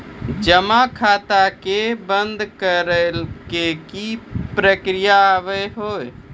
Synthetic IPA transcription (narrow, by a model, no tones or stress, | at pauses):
d͡ʒəmakʰat̪akebənd̪ʱkəɾəlkekipɾəkɾijaːβəɦoj